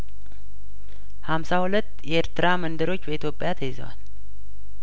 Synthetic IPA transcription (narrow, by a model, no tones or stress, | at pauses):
hamsahulət̪ːjɛeɾt̪ɨɾamənd̪əɾo̞t͡ʃːbəit̪ʰjo̞pʼːjat̪ʰəjɪzə̰wa̰l